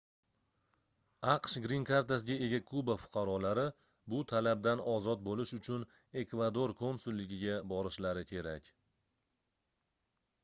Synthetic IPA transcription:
ɑqʃɡɾiŋkʰaɾt̪as̬ɪɡʲae̞ɡʲakʰʊbafʊ̥qʰɑɾɒlaɾɪ | bʊt̪ʰalab̚d̪anɒzɒt̪̚bolɪʃʊt͡ʃʰʊn | e̞kvad̪oɾkʰomsulːɪɡʲɪɡʲabɒɾɪʃlaɾɪkʲʰe̞ɾakʲ

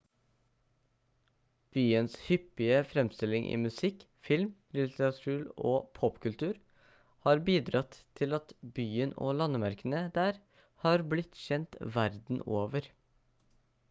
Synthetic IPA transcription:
b̥yːənshʏpːɪəfɾɛmst̪ɪlɪŋʔḭːmʉsɪk | fɪlmlɪt̪ʰəɾɑt̪ʰʉːɾo̰ːpʰɔpkʉlt̪ʉːɾ | hɑːɾbiːd̪ɾɑt̪ʰːɪlɑt̪byːəno̰ːlɑnəmæɾkənəd̪æːɾ | hɑːɾblɪt̪ʃɛnt̪ʋæɾd̪n̩oːʋəɾ

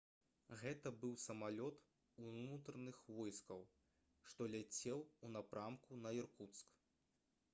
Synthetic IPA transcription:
ɣɛt̪ɐbɨwsɐmalʲɔt̪ | unut̪ɾɐnɨxvɔjskɐw | ʂt̪ɔlʲat͡sʲɛwunapɾamkunɐjirkut̪sk

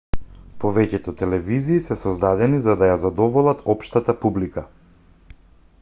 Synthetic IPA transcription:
pɔvɛcɛt̪ɔt̪ɛlɛviziːsɛsɔzd̪ad̪ɛnizad̪ajazad̪ɔvɔlˠat̪ʰɔpʃt̪at̪apublika

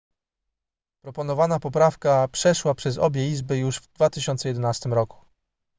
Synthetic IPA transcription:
pɾɔpɔnɔvanapɔpɾafkapʂɛʂwapʂɛzɔ̰bʲjɛizbɘjuʐvd̪vat̪ɘɕɔnt̪sɛjɛd̪ɛnast̪ɘmɾɔku̥

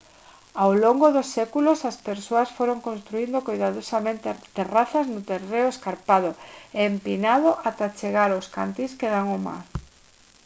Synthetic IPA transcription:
awloŋɡoðosːekulosaspeɾsoɐsfoɾoŋkõnst̪ɾuind̪okojðaðosamẽnt̪et̪eraθɐznʊt̪ereʊeskaɾpaðʊeːmpinaðoʔat̪at͡ʃeɣaɾoska̰nt̪iskeðaŋoma̰ɾ

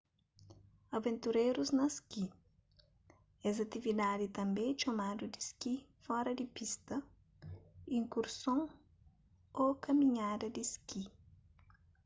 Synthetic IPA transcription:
ɐvẽnt̪uɾejɾuznɐski | ɛzɐt̪ivid̪ad̪it̪ɐ̃mbẽt͡ʃomad̪ud̪iskifɔɾɐd̪ipist̪ɐ | ĩŋkuɾsõŋ | okɐmĩɲad̪ɐd̪iski

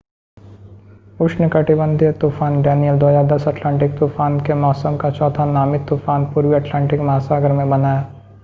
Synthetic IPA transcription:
ʊʃnekɐʈibə̃nd̪ʱit̪uːfaːnɖɛːnijəld̪ɔːjad̪ɐsɐʈlɛ̃ːɳʈɪk̚t̪uːfaːnkemɔːsəmkat͡ʃɔːt̪ʰanaːmit̪uːfaːnpuːɾwiɐʈlɛ̃ːɳʈɪkmɐɦaːsaːɡəɾmẽbɐnaːjaː

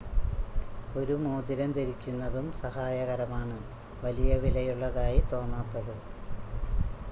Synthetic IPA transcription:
o̞ɾumoːd̪iɾɐmt̪eɾikʲːunːɐðumsɐhaːjɐɣɐɾɐmaːɳɨ | ʋɐlijɐʋilɐjuɭːɐðaːjit̪o̞ːnːaːt̪ːɐðɨ

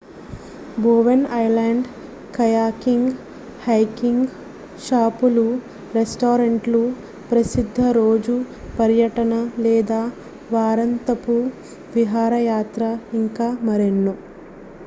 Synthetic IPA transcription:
boːʋenɐjlaːɳɖ | kɐjaːkiŋɡ | hɐjkiŋɡ | ʃaːpulu | ɾesʈoːɾɐɳʈlu | pɾɐsid̪ʱːɐɾoːd͡ʒu | pɐɾjɐʈɐnɐlɛːd̪aː | ʋaːɾɐnt̪ɐpu | ʋiɦaːɾɐjaːt̪ɾɐiŋkaːmɐɾenːu

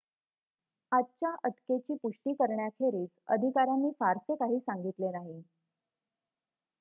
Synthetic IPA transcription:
att͡ɕjaʔəʈket͡ɕiːpuʂʈiːkəɾɳjakʰeɾiːt͡sə̰d̪ʱikaɾanːiːfaɾsekaɦiːsaŋɡit̪lenaɦi

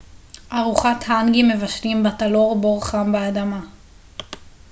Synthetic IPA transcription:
ʔaʁuχathaŋɡimːe̞vaʃlimbatalo̞ʁboʁχambaːdama

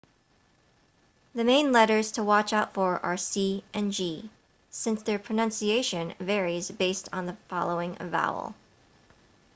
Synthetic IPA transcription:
ðɨmẽɪ̃nlɛɾə˞z̥tʰəwɑt͡ʃaʊtfə˞ʔə˞siʔɨ̃nd͡ʒi | sɪ̃nsðə˞pʰɹ̥ɨnʌ̃nsieɪʃɨ̃nvɛɹizbeɪstn̩ðəfɑ̰lˠoʊɪ̃ŋʌ̰va̰ʊ̰l̩ˠ

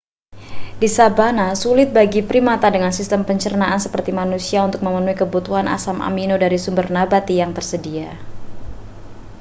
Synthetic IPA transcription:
disabanasulɪt̪̚baɡipɾimat̪adəŋansist̪əmpəɲt͡ʃərnaʔansəpərt̪imanusiaunt̪ʊk̚məmənuikəbut̪uɦana̰samʔa̰minodaɾisumbərnabat̪ijaŋt̪ərsədia

